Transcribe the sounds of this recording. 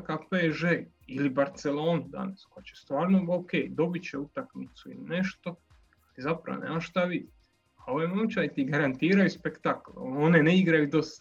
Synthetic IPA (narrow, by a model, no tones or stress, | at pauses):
kapeʒe | ilibaɾt̪se̞lo̞ːnud̪a̰naskojat͡ɕe̞st̪ʋaːɾnooke̞ːjd̪o̞bit͡ɕeut̪akmit̪suḭline̞ʃt̪o̞ | alizapɾa̰onḛːmaʃt̪aʋid̪it̪ | ao̞ʋojenot͡ʃaet̪iɡaɾant̪iːɾajuspekt̪aklone̞neiɡɾajud̪o̞s